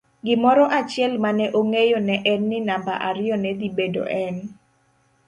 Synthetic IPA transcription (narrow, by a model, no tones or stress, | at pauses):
ɡɪmɔɾɔʔat͡ʃɪɛlmanɛʔoŋejonɛʔɛnːɪnamba̰ʔaɾɪɔnɛd̪ibedo̰ʔɛn